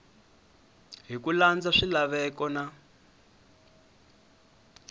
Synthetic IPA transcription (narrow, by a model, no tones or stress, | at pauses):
ɦikuland͡zaʂilaβɛkɔna